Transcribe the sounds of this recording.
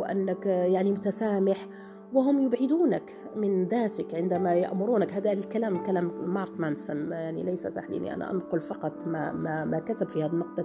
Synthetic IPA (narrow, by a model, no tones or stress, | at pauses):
ʔa̰nːəkjaʕnimʊt̪asaːmɪħ | waɦʊmjʊbʕɪd̪uːnək | mɪnðaːt̪əkʕɪnd̪amaja̰ʔmʊɾuːnakhaːd̪alkalaːmkalaːmːɑɾˤt̪mansənjaʕnḭlajsa̰t̪aħlḭnḭʔa̰nʔa̰ʔa̰nqʊlfɑqɑt̪ˤmamamakat̪abfihæːd̪inːʊq̚d̪